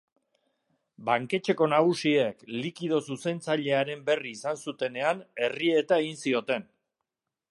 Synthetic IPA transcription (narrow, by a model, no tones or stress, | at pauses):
baŋke̞t͡ʃe̞ko̞naɣ̞usie̞klikið̞o̞suse̞nt͡saʎe̞aɾe̞mbe̞riːsansut̪e̞ne̞ane̞rie̞t̪aeɣinsio̞t̪e̞n